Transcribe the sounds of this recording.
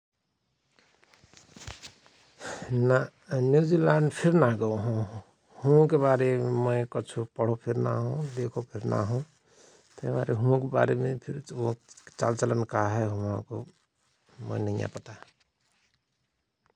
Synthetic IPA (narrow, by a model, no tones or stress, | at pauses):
na | njud͡zilaɳɖpʰiɾnaɡʌwɦõ | hũkebaɾemʌjkʌt͡sʰupʌɽ̤opʰiɾna̰ɦõd̪ekʰopʰiɾna̰ɦũ | t̪ʌjbaɾeɦuõkoba̰ɾemẽpʰiɾ | t͡sa̰lt͡sʌlʌnkaɦʌɦuwãko | mʌ̰jnʌijã̰pʌt̪a